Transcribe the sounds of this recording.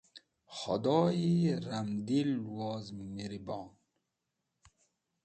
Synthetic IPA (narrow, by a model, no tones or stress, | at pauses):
χo̰d̪ɔːjiɾamd̪ilːwɔːzmiɾibɔːn